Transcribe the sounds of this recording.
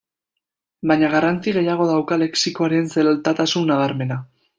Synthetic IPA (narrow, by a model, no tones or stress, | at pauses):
baɲaɣ̞arant͡siɣe̞jaɣ̞o̞ðawkale̞ksiko̞aɾe̞nselolt̪at̪asunːaβ̞aɾme̞na